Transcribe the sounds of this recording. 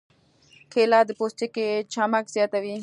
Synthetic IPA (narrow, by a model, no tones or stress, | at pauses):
kʰeːlaːd̪post̪eket͡ʃʰamɐkzjaːt̪ɐʋiː